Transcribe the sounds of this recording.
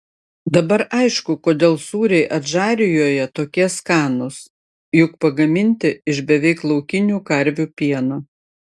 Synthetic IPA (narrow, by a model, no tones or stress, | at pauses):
d̪ɐbɐɾʔɐɪʃkʊkoːd̪ʲeːlˠsuːɾʲɛɪʔɐt̪ʒɑːɾʲɪjoːjɛt̪oːkʲiɛskɑːnʊs | jʊkpɐɡɐmʲɪnʲt̪ʲɪɪʃbʲɛʋʲɛɪklˠɒʊkʲɪnʲuːkɐɾʲʋʲuːpʲiɛnɐ